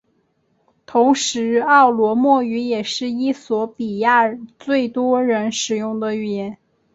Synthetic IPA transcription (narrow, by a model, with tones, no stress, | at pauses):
t̪ʰʊ˧˥ŋʂɻ̩˧˥ɑ˥˩ʊlwɔ˧˥mwɔ˥˩y˧˥jɛ˨˩ʂɻ̩˥˩i˥swɔ˧˥pi˨˩ja˥˧t͡swe˥˩ɪt̪wɔ˥ɻə˧˥nʂɻ̩˨˩jʊ˥˩ŋd̪ə˨ɛ˧˥n